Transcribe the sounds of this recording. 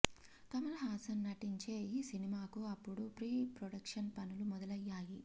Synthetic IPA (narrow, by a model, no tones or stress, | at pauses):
t̪ɐmɐlɐɦaːsɐnnɐʈiɲt͡ʃe̞ːjisinimaːkuɐpːuɽupɾiːpɾoɽɐkʂɐnpɐnulumɔd̪ɐlɐjːaːji